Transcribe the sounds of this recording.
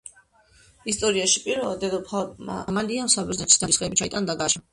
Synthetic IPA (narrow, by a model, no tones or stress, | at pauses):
ist̪ʼɔɾiaʃi̥pʼiɾvɛlˠad̪ɛd̪ɔpʰama̰maliamsabɛznɛt̪ʰi̥sd̪̥ad̪isχɛbit͡ʃʰait̪ʼand̪aɡaʃa